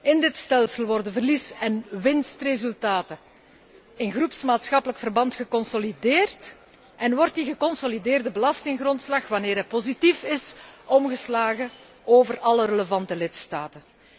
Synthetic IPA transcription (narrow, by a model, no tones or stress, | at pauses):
ɪndɪtstɛlˠsəlˠʋɔrdəvərlisɛnʋɪnstrezʉlˠtaːtə | ɪnɣrupsmaːtsxɑpələkfərbɑntxəkɔnsolideːrt | ʔɛnʋɔrtdiɣəkɔnsolideːrdəbəlɑstɪŋɣrɔntslɑxʋɑneːɾɦɛpozitifɪsɔmɣəslaːɣə | oːvərɑlərələvɑntəlɪtstaːtə